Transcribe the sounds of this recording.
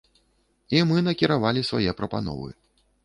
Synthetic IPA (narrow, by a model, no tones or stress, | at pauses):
imɨnɐkʲiɾavalʲisvajɛpɾɐpa̰nɔ̰vɨ̰